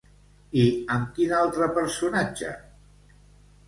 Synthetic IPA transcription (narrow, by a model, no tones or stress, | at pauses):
iəmkinalˠt̪ɾəpəɾsunad͡ʒə̰